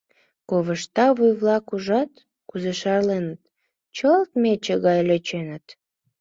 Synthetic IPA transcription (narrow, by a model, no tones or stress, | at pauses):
koβəʃt̪ɑβujβlɑkuʒɑt̪ | kuzeʃɑrlenət̪ | t͡ɕəlt̪met͡ɕəɣɑjløt͡ɕenət̪